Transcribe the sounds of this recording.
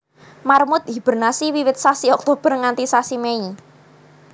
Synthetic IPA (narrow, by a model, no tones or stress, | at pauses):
marmʊt̪̚ɦib̥ərnasiwiwɪt̪̚sasiɔk̚t̪ob̥ərŋant̪isasimei